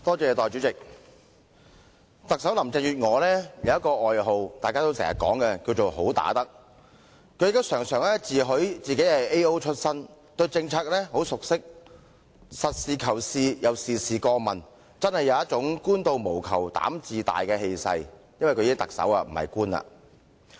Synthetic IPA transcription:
t̪ɔː˥t͡sɛː˧t̪ɔː˨˩jt͡ʃyː˨˥t͡sɪ˨k̚ | t̪ɐ˨k̚sɐ˨˥wlɐ˨˩mt͡sɪ˨˩ŋjyː˨˩t̚ŋɔː˨˧lɛː˥jɐ˨˧wjɐ˥tkɔː˧ʔɔː˨jɦo˨wt̪aː˨jkaː˥t̪o˥wsɛː˨˩ŋːjɐ̰˨˩kɔ̰ː˨˥ŋkɛ˧kiː˧wt͡ʃo˨wɦo˨˥wt̪a̰ː˨˥t̪ɐ˥k̚ | kʰɵ˧jɪ˨kt̪ːsœː˨˩ŋsœː˨˩ŋlɛ˥t͡siː˨ɦɵ˨˥ɥt͡siː˨ke˨˥jhɐ˨jʔe˥jo˥wt͡ʃʰɵ˥t̚sɐ˥n | t̪ɵ˧ɥt͡sɪ˧ŋt͡sʰaː˥k̚lɛː˥ɦo˨˥wsʊ˨k̚sɪ˥k̚ | sɐ˨t̚siː˨kʰɐ˨˩wsiː˧jɐ˨˧wsiː˨siː˨kɔː˧mɐ˨˩n | t͡sɐ˥nhɐ˨˩jɐ˨˧wjɐ˥t͡ʃʊ˨˥ŋkuː˥nt̪o˧wmo˨˩wkʰɐ̰˨˩wt̪a̰ː˨˥mt͡siː˨t̪a̰ː˨jkɛː˧ɦe˧jsɐ̰˧jjɐ˥nwjkʰɵ˧iː˧˥ŋt̪k̚sɐ̰˨˥waː˧m̩˨˩hɐ̰˨jkuː˥nɐ̰ː˨

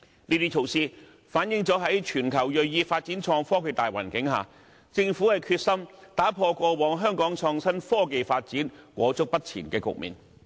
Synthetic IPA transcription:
niː˥t̪iː˥t͡sʰo˧˩wsiː˥ | faː˨˥njɪ˨˥ŋt͡sɔː˨˥ɦɐ˨˥jt͡ʃʰyː˨˩nkʰɐ˨˩wjɵ˨ɥjiː˧faː˧t̚t͡siː˨˥nt͡sʰɔː˧ŋfɔː˥kʰe˨˧jt̪aː˨jwa̰ː˨˩nkɪ˨˥ŋɦa̰ː˨˩ | t͡sɪ˧ŋfuː˨˥hɐ˨jkʰyː˧t̚sɐ˥mt̪aː˨˥pʰɔː˧kɔː˧wɔː˨˧ŋɦœː˥ŋkɔː˨˥ŋt͡sʰɔː˧ŋsɐ˥nfɔː˥k̬e˨jfaː˧t̚t͡siː˨˥nkʷɔː˨˥t͡sʊ˥k̚pɐ˥t̚t͡sʰḭː˨˩nkɛː˧kʊ̰˨k̚mḭː˨n

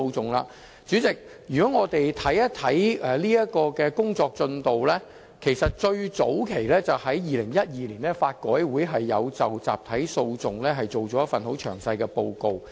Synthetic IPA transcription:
wt͡sʊ˨ŋla̰ː˧ | t͡ʃyː˨˥t͡sɪ˨k̚jyː˨˩kɔː˨˥ŋɔː˨˧t̪e˨jt̪ʰɐ˨˥jɐ˥t̪ʰɐ˨˥jɛː˨˧liː˥jɐ˥t̚kɔː˧kɛː˧kʊ˥ŋt͡sɔː˧k̚t͡sɵ˧nt̪o˨wlɛː˥ | kʰe˨˩jsɐ˨t̚t͡ʃɵ˧ɥt͡so̰˨˥wkʰe˨˩jlɛː˥t͡sɐ˨whɐ˨˥jjiː˨lɪ˨˩ŋjɐ˥t̚jiː˨˧liː˨˩nlɛ˥faː˧t̚kɔː˨˥jwuː˨˥jɦɐ˨jːɐ˨˧wt͡sɐ˨wt͡sa̰ː˨p̚t̪ʰɐ˨˥jso˧wt͡sʊ˨ŋlɛː˥ɦɐ˨jt͡so˨wt͡sɔː˨˥jɐ˥tfɐ˨nho˨˥wt͡ʃʰœː˨˩ŋsɐ˧jkɛː˧po˧wko˨˧w

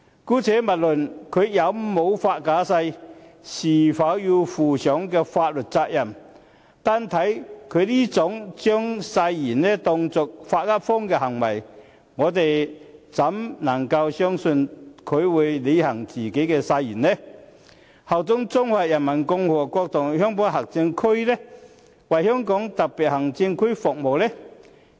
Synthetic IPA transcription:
kuː˨˥t͡sʰɛː˨˥mɐ˨t̚lɵ˨˩nkʰɵ˨˧ɥjɐ˨˧wmo˨˧˥wfaː˧t̚kaː˨˥sɐ˧jsiː˨˩fɐ˨˧˥wji˧wfuː˨˩sœː˨˥ŋkɛː˧faː˧t̚lɵ˨t̚t͡saː˧k̚jɐ˨˩m | t̪aː˧nt̪ʰɐ˨˥jkʰɵ˨˧liː˥t͡sʊ˨˥ŋt͡sœː˥ŋsɐ˧jjiː˨˩nnɛ˥t̪ɔ˧ŋt͡sʊ˨k̚faː˧t̚kaː˥p̚fɔː˥ŋkɛː˧ɦɐ˨˩ŋwɐ˨˩j | ŋɔː˨˧t̪e˨jt͡sɐ˨˥mnɐ˨˩ŋkɐ˧wsœː˥ŋsɵ˧nkʰɵ˨˧ɥwuː˨˧jle˨˧hɐ˨˩ŋt͡siː˨ke˨˥jkɛː˧sa˧jiː˨˩nlɛ˥ | hɐ˨˩wt͡sʊ˨˥ŋt͡sʊ˥ŋwaː˨t̚jɐ˨˩nmɐ˨˩nkʊ˧ŋhɔː˨˩kɔː˧k̚t̪ʰʊ˨˩ŋhœː˥ŋpɔː˨˥ŋhɐ˨˩k̚t͡sɪ˧ŋkʰɵ˥ɥlɛ˥ | wɐ˨jhœː˥ŋkɔː˨˥ŋt̪ɐ˨k̚pi˨t̚hɐ˨˩ŋt͡sɪ˧ŋkʰɵ˥ɥfʊ˨k̚mo˨wlɛ˥

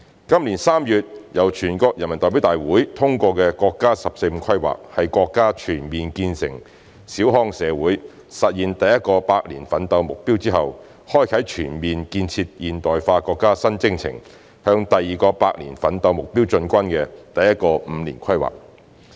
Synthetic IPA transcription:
kɐ˥mliː˨˩nsaː˥mjyː˨˧t̚jɐ˨˩wt͡ʃʰyː˨˩nkɔː˧k̚jɐ˨˩nmɐ˨˩t̪ɔː˨˩p̬i˨˥wt̪aː˨jwuː˨˥jt̪ʰʊ˥ŋkʷɔː˧kɛː˧kʷɔː˧kːaː˥sɐ˨p̚se˧jm̩ː˨˧˥kʰɐ˥jwa̰ː˨k̚hɐ˨jkʷɔː˧kːaː˥t͡ʃʰyː˨˩nmiː˨nkiː˧nsɪ̰˨˩ŋ | siː˨˥wɦɔː˥ŋsɛː˨˧wuː˨˥j | sɐ˨t̚jiː˨nt̪ɐ˨jɐ˥t̚kɔː˧paː˧k̚liː˨˩nfɐ˨˥nt̪ɐ˧wmʊ˨k̚piː˥wt͡siː˥hɐ˨w | hɔː˥jkʰɐ˨˥jt͡ʃʰyː˨˩nmiː˨nkiː˧nt͡sʰiː˧t̚jiː˨nt̪ɔː˨jfaː˧kɔː˧kːaː˥sɐ˥nt͡sɪ˥ŋt͡sʰɪ̰˨˩ŋ | hœː˧ŋt̪ɐ˨jːiː˨˩kɔː˧paː˧k̚lḭː˨˩nfɐ˨˥nt̪ɐ˧wmʊ˨k̚piː˥wt͡ʃɵ˧nkʷɐ˥nkɛ˧t̪ɐ˨jɐ˥t̚kɔː˧m̩˨˧liː˨˩nkʰɐ˥jwa̰ː˨˩k̚

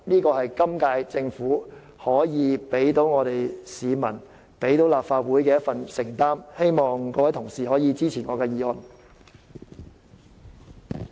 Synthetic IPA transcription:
niː˥kɔː˧hɐ˨jkɐ˥mkaː˧jt͡sɪ˧ŋfuː˨˥ | hɔː˨˥jiː˨˧pe˨˥jt̪o˨˥wŋɔː˨˧t̪e˨jsiː˨˧mɐ˨˩n | pe˨˥jt̪o˨˥wlaː˨pfaː˧t̚wuː˨˥jkɛː˧jɐ˥t̚fɐ˨nsɪ˨˩ŋt̪aː˥mhe˥jmɔː˨ŋkɔː˧wɐ˨˥jt̪ʰʊ˨˩ŋsiː˨hɔː˨˥jiː˨˧t͡siː˥t͡sʰiː˨˩ŋɔː˨˧kɛː˧jiː˨˧ɔ˨˩n

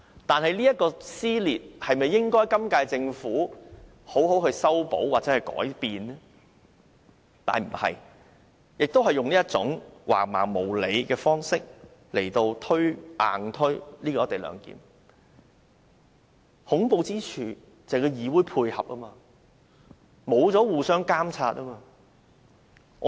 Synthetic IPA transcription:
t̪aː˨nhɐ˨jliː˥jɐ˥t̚kɔː˧siː˥liː˨t̚hɐ˨jmɐ˨jːɪ˥ŋkɔː˥jkɐ˥mkaː˧jt͡sɪ˧ŋfuː˨˥ | ho˨˥wɦo˨˥whɵ˧ɥsɐ˥wpo̰˨˥waː˨t͡sɛː˨˥hɐ˨˩jkɔ̰ː˨˥jpiː˨n | t̪a̰ː˨nm̩˨˩hɐ̰˨j | jɪ˨k̚t̪o˥whɐ˨jʊ˨ŋliː˥jɐ˥t̚t͡sʊ˨˥ŋwa̰ː˨˩ma̰ː˨˩ŋmo˨˩wle˨˧jkɛː˧fɔː˥ŋsɪ˥k̚ | le˨˩jt̪o˧wt̪ʰɵ˥ɥʔaː˨ŋt̪ʰɵ˥ɥliː˥kɔː˧˥t̪e˨jlœ̰ː˨˧ŋkḭː˨˥m | hʊ˨˥ŋpo˧wt͡siː˥t͡ʃʰyː˨˩ | t͡sɐ˨kɔː˧jiː˨˧wuː˨˥jpʰuː˧jhɐ˨p̚ʔɐː˥maː˧ | mo˨˧wt͡sɔː˨˥wuː˨sœː˥ŋkaː˥mt͡sʰaː˧t̚ʔɐː˥maː˧ | ɔ˨˧

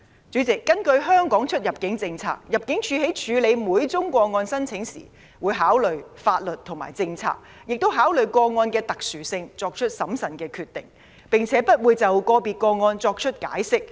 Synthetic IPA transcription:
t͡syː˨˥t͡sɪ˨kːɐ˥nkɵ˧ɥɦœː˥ŋkɔː˨˥ŋt͡ʃʰɵ˥t̚jɐ˨p̚kɪ˨˥ŋt͡sɪ˧ŋt͡sʰa̰ː˧k̚jɐ˨p̚kɪ˨˥ŋt͡ʃʰyː˨˧ɦe˨˥jt͡ʃʰyː˨˧le˨˧jmuː˨˧˥jt͡sʊ˥ŋkʷɔː˧ŋɔː˧nsɐ˥nt͡sʰɪ˨˥ŋsḭː˨˩ | wuː˨˧jɦaː˨˥wlɵ˨ɥfaː˧t̚lɵ˨t̚t̪ʰʊ˨˩ma̰ː˨˩jt͡sɪ˧ŋt͡sʰa̰ː˧k̚ | jɪ˨k̚t̪o˥wɦaː˨˥wlɵ˨˩ɥkɔː˧ŋɔː˧nkɛː˧t̪ɐ˨k̚syː˨˩sɪ˧ŋt͡sɔː˧k̚t͡ʃʰɵ˥t̚sɐ˨˥msɐ˨˩nkɛː˧kʰyː˨˧t̪ːɪ̰˨˩ŋ | pɪ˨ŋt͡sʰɛː˨˥pɐ˥t̚wuː˨˧jt͡sɐ˨˩wkɔː˧piː˨t̚kɔː˧ŋɔː˧nt͡sɔː˧k̚t͡ʃʰɵ˥t̚ka̰ː˨˥jsɪ˥k̚

